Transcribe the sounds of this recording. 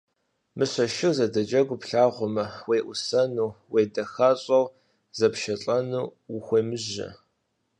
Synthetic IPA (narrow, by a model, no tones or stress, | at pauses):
mɨɕɐʃɪwzɐdɐd͡ʒɐɡʷʊpɬaːʁʷʊmɐweːʔʷʊsɐnuːweːdɐxɐɕʼɐw | zɐpʃɐɬʼɐnuːxʷeːmɨʑɐ̰